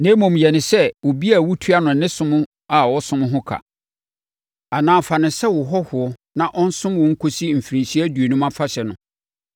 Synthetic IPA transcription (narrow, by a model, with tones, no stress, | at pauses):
nɛ̃˦mɔ̃˨mjɛ˨nɪ̃˨sɛ˦wo˨bi˦a˨wu˦tʰu˦a˦nʊ̃˨nɪ̃˦sʊ̃˦mʊ̃˦ | a˨wɔ˦sʊ̃˦m̃˦ɦʊ̃˦kʰa̰˨ | a˨nãː˨fa˨nɪ̃˨sɛ˦wʊ˨ɦɔ˦hʊ˨ɔ˦nã˨ʔɔ˦n̩˦sʊ̃˦mwʊ̃˨ŋ̩˦kʰo˦si˦m̩˨fi˨ɾĩ˨nsi˦æ˦du˨o˨nũ˦mã˦fa˦ɕɛ˨nʊ̃˨